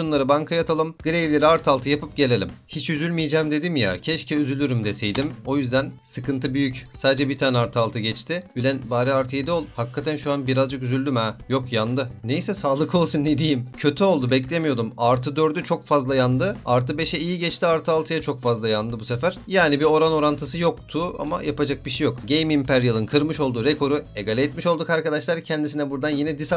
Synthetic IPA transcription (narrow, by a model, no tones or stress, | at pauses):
unlˠaɾɯbaŋkʰajat̪ʰalˠɯmɡɯɾejvlʲe̞ɾiaɾt̪ʰalˠt̪ʰɯjapɯp̚ɟe̞lʲe̞lʲimhit͡ʃyzylʲmijd͡ʒɛmd̪e̞d̪imja̰cʰɛʃcʰɛyzylʲyɾymd̪ɛsejd̪imo̞jyzd̪ænsɯkɯnt̪ʰɯbyjycsaːd̪ed͡ʒɛbit̪ʰaːnɛaɾt̪ʰɯalˠt̪ʰɯɟɛt͡ʃt̪ʰɪylʲɛnbaːɾiaɾt̪ʰɯjed̪ɛo̞lˠhakʰːat̪ʰænʃuanbiɾazd͡ʒɯkyzylʲd̪ymɛjo̞kjand̪ɯnejsɛsaːlˠɯkʰo̞lˠsunːed̪ijimcʰø̞t̪ʰyo̞lˠd̪ubɛclʲemijo̞d̪umaɾt̪ʰɯd̪ø̞ɾd̪yt͡ʃʰo̞kfazlˠajand̪ɯaɾt̪ʰɯbeʃɛijiɟɛt͡ʃt̪ʰiaɾt̪ʰɯalˠt̪ʰɯjat͡ʃʰo̞kfazlˠajand̪ɯbuse̞fæɾ̥jaːnibio̞ɾano̞ɾant̪ʰɯsɯjo̞k̚t̪ʰʊa̰ma̰japad͡ʒak̚biʃejo̞kɟejmimpʰæɾjalˠɯnkʰɯɾmɯʃo̞lˠd̪uɾekʰo̞ɾue̞ɡalʲɛːt̪miʃo̞lˠd̪ukaɾkad̪aʃlˠaɾcʰɛnd̪isinɛbuɾd̪anjinɛd̪is